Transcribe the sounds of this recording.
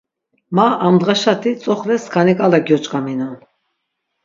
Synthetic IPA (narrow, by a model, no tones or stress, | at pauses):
maamd̪ʁaʃat̪ʰit͡sʼɔχlɛskʰanikʼalaɡjɔt͡ʃʼkʼaminan